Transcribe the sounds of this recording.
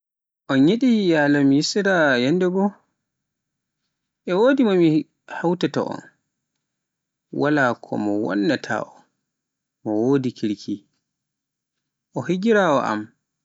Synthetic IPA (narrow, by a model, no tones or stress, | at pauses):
ʔɔnɲeɗijaːlamjisiɾajanːdɛɡɔ | ʔɛwoːdimami | hawtata̰ʔɔ̰n | walaːkʰɔ̰mɔwɔ̰nːatʰa̰ʔɔ | mɔwoːdikʰiɾkʰi | ʔɔhid͡ʒiɾawɔ̰ʔa̰m